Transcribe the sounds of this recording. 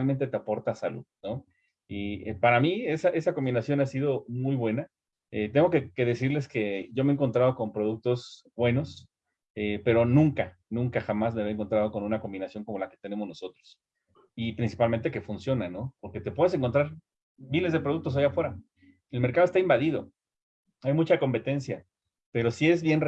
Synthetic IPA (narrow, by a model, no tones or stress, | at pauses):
alment̪e̞t̪eapoɾt̪asalṵðno̞ | iepaɾamie̞saʔe̞sako̞mbinasjo̞nasið̞o̞mujβwe̞na | et̪e̞ŋɡokeke̞ðe̞siɾle̞ske̞ʝo̞meeŋkont̪ɾað̞o̞ko̞mpɾo̞ðuk̚t̪o̞z | bwe̞no̞s | epe̞ɾo̞nũŋka | nũŋkaxamazmeβeŋkot̪ɾað̞o̞ko̞nũnako̞mbinasjo̞ŋko̞mo̞lake̞̥t̪e̞ne̞mo̞zno̞so̞t̪ɾos | ipɾinsi̥palment̪e̞ke̞funsjo̞nano̞poɾke̞t̪e̞pwe̞ðeseŋko̞nt̪ɾaɾ | mile̞zðepɾoukt̪o̞s̬ajafwe̞ɾa | elmeɾkaðoest̪aimbaðiðo̞̰ | ajmut͡ʃako̞mpe̞t̪e̞nsja | pe̞ɾo̞sie̞zβje̞nr